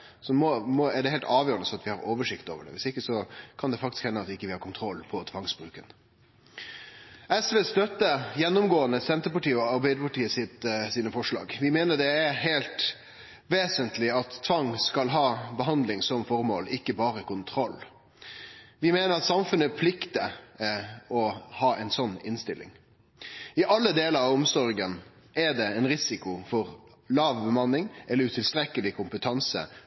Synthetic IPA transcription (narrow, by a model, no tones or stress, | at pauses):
sɔmɔmɔɛɖɛhɛɪlt̪ɑːʋjøːɾənəsɔmɑt̪ʋɪhɑɾoːʋəʂɪkt̪o̰ːʋəɖɛ̰ʋɪsɪkːəsɔkʰɑnd̪ɛfɑk̚t̪ɪskhɛnːəɑt̪ɪkːəʋɪhɑɾkʊnt̪ʰɾɔlːpʰɔt̪ʰʋɑŋsbɾʉːkən | ʔɛsʋeːst̪œt̪ːəjɛnːʊmɡoːənəsɛnt̪əpɑʈiːəɔɑɾbæɪd̪əpɑʈiːəsɪt̪siːnəfɔʂlɑ̰ːɡʋɪmeːnəd̪ɛæɾɦeːlt̪ | ʋeːsənt̪ʰlɪɑt̪tʰːʋɑŋːskɑlɦɑːbəɦɑnd̪lɪŋsɔmfɔɾmo̰ːlɪkːəbɑːɾəkʊnt̪ʰɾɔlː | ʋɪmeːnəɾɑt̪sɑmfʉnːəpʰlɪkt̪ə | ɔhɑːʔɛɪnsɔnːɪnst̪ɪlːɪ̰ŋ | ɪʔɑlːəd̪eːləɾɑʋɔmsɔɾɡən | ʔɛd̪ɛɛɪnɾɪsɪkʊfɔɾ | lɑːʋbəmɑnːɪŋʔɛlːəɾʉt̪ʰɪlst̪ɾɛkːəlɪkʰʊmpət̪ʰɑnsə̰